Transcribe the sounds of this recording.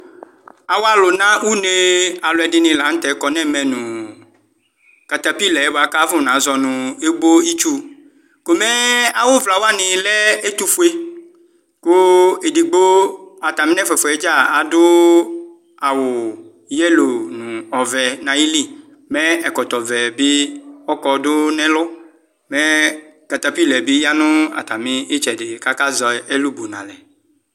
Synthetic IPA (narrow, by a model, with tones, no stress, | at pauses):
a˨wo˦a˦˨lʊ˨nã˦wu˦ne˦a˨lʊ˨ɛ˨dɪ˨nɪ̃˨la˨˦t̪ɛ˨˦kɔ˨nɛ̃˦mɛ̃˨nũ˨ | ka˨t̪a˨pi˦lɛ˨˦bo˨a˨ka˦vʊ̃˦˨nã˨˦zɔ˨nʊ̃˨e˦ɡ͡bo˦i˦t͡ʃu˦ | ko˨mɛ˦a˨wʊ˦vla˨wo˦a˦nɪ̃˨lɛ˦e˦t̪u˦fu˦e˦ | kʊ˦e˨di˨ɡ͡bo˦a˨t̪a˨mĩ˦nɛ̃˦fɛ˨fɔ˨ɛ˦d͡ʒa˦˨a˨dʊ˦ | a˨wʊ˨ | jɛ˦lo˨nũ˨ɔ˨vɛ˨nã˨ji˦li˦˨ | mɛ˦ɛ˨kɔ˨t̪ɔ˨vɛ˨bi˦ɔ˦kɔ˨dʊ˦nɛ̃˦lʊ˦ | mɛ˦ka˨t̪a˦pi˦lɛ˨bi˦ja˦nʊ̃˦a̰˨t̪a˨mĩ˦ɪ˦t͡ʃɛ˨dɪ˨ka˦ka˦zɔ˨e˦lu˦bo˨nã̰˨lɛ˨